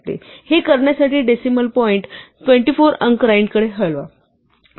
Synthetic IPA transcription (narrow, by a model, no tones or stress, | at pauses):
t̪ḛhekəɾɳjasaʈiːɖesiməlpɔiɳʈʈʋẽɳʈifoɾə̃ŋkɾajɳɖkəɽeɦəɭʋa̰